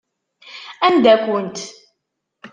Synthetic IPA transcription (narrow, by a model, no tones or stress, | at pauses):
ænd̪ækʷənt̪